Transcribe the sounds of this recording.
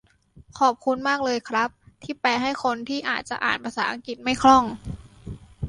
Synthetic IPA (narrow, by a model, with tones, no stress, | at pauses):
kʰɔː˨˩p̚kʰu˧nmaː˥˩k̚lɤː˧jkʰɾa˦˥p̚t̪ʰiː˥˩pɛː˧ɦa˥˩jxʰo˧nt̪ʰiː˥˩ʔaː˨˩t̪̚t͡ɕa˨˩ʔa̰ː˨˩npʰa˧saː˩˦ʔa˧ŋki˨˩t̪̚ma˥˩jkʰlɔ˥˩ŋ